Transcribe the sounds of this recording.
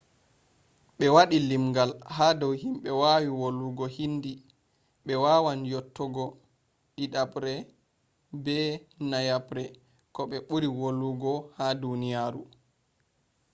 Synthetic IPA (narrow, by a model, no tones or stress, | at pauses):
ɓɛwaɗilimɡalhadɔwɦimɓɛwawiwolːuɡɔhindi | ɓɛwawanjɔtːɔɡɔ | ɗiɗabɾɛ | bɛnajabɾɛ | kɔɓɛɓuɾiwolːuɡɔhadunijaɾu